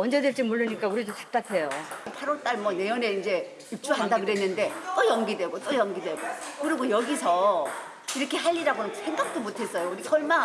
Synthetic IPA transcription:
ʌnd͡ʑe̞dweɭt͡ɕ͈imoɭːɯɲik͈auɾidot͡ɕʰḁk̚t͈atʰe̞jopʰaɾʌɭt͈aɭmwʌne̞jone̞ind͡ʑe̞ | ip̚t͡ɕ͈uɦandaɡɯɾe̞nːɯnde̞t͈ojʌŋɡidwe̞ɡot͈ojʌŋɡidwe̞ɡokɯɾiɡojʌɡisʰʌ | iɾʌkʰe̞ɦaʎːiɾaɡonɯnsʰeŋɡak̚t͈omotʰe̞s͈ʌjouɾikʰʌɭma

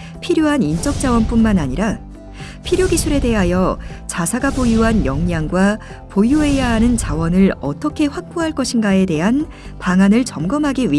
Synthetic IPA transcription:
pʰiɾjoɦanint͡ɕ͈ʌk̚t͡ɕ͈awʌnp͈unmanaɲiɾa | pʰiɾjoɡisʰuɾe̞de̞ɦajʌ | t͡ɕasʰaɡabojuɦanjʌŋɲaŋɡwa | pojuɦe̞jaɦanɯnt͡ɕawʌnɯɭʌ̰t͈ʌkʰe̞ɸwak̚p͈oɦaɭk͈ʌɕʰinɡae̞de̞ɦan | paŋanɯɭt͡ɕʌmɡʌmɦaɡiɥi

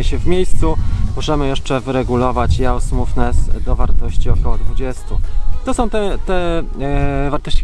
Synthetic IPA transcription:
ɛɕɛvmʲjejst̪sumɔʐɛmɘjɛʂt͡ʂɛvɘɾɛɡulɔvat͡ɕjaɔsmufnɛsd̪ɔvaɾt̪ɔɕt͡ɕiɔkɔwɔd̪vud͡ʑɛst̪ut̪ɔsɔ̃w̃t̪ɛt̪ɛ | vaɾt̪ɔɕt͡ɕi

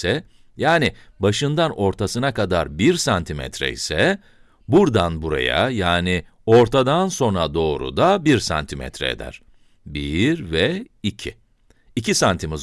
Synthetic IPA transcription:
sɛ | jaːnɪbaʃɯnd̪ano̞ɾt̪ʰasɯnakad̪aɾbiɾsant̪ʰimɛ̰t̪ʰɾɛ̰isɛ | buɾd̪anbuɾa̰ja̰jaːni | o̞ɾt̪ʰad̪anso̞nɾad̪o̞ːɾṵd̪abiɾsa̰nt̪ʰimɛ̰t̪ɾɛ̰ḛd̪æ̰ɾ̥ | biɾvɛ | icʰi | icisant̪ʰimiz

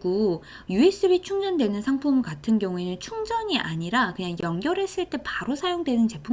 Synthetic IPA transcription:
ɡo | jue̞s͈ɯbit͡ɕʰuŋd͡ʑʌndwe̞nɯnsʰaŋpʰumkatʰɯnɡjʌŋue̞nɯnt͡ɕʰuŋd͡ʑʌɲiʔaɲiɾakɯɲaŋjʌŋɡjʌɾe̞s͈ɯɭt͈e̞paɾosʰajoŋdwe̞nɯnt͡ɕe̞pʰu

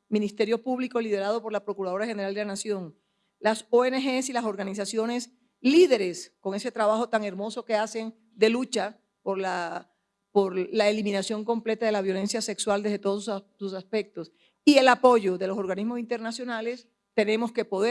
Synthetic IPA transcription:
mĩnist̪e̞ɾjo̞puβliko̞liðe̞ɾað̞o̞po̞ɾlapɾo̞kuɾaðo̞ɾaxe̞ne̞ɾald̪elanasjo̞ŋ | lasoenexe̞silaso̞ɾɣanisasjo̞ne̞s | liðe̞ɾe̞sko̞ŋe̞se̞t̪ɾaβaxo̞t̪aŋe̞ɾmo̞so̞ke̞ase̞n | d̪e̞lut͡ʃa | po̞ɾla | poɾlaelimĩnasjo̞ŋko̞mple̞t̪aðe̞laβ̞jo̞le̞nsjase̞kswald̪ezðet̪o̞ðossusaspe̞k̚t̪o̞s | ie̞lapo̞ʝo̞ðe̞loso̞ɾɣanizmo̞sint̪e̞ɾnasjo̞nale̞s | t̪e̞nẽ̞mo̞ske̞po̞ðe

